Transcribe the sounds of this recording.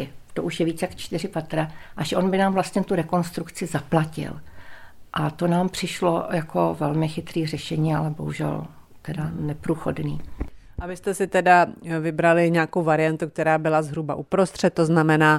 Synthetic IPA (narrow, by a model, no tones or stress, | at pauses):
ɪt̪oʔuʃjɛviːt͡sjakt͡ʃt̪ɪrɪpat̪ɾaʔaʃʔo̞nbɪnaːmvlast̪ɲɛt̪uɾɛko̞nst̪ɾukt͡sɪzaplacɪ̰l | ʔat̪o̞naːmpr̥ɪʃlo̞̰jakʰo̰vɛlmɪxɪt̪ɾiːrɛʃɛɲiːa̰lɛbo̞̰ɦuʒɛ̰l | t̪ɛdanɛpɾuːxo̰dnḭːʔabɪst̪ɛsɪt̪ɛdavɪbɾalɪɲɛaːkowvaɾɪjant̪uk̚t̪ɛɾaːbɪlazɦɾubaʔupɾo̞st̪r̝̥ɛt̪̚tːoznamɛnaː